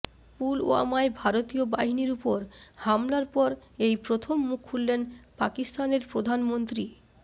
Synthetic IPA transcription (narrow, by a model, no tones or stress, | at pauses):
pulo̰a̰maebʱaɾot̪ioba̰ɦiniɾupoɾhamlaɾpɔɾejpɾot̪ʰomːukʰːulːenpakist̪aneɾpɾod̪ʱanmont̪ɾi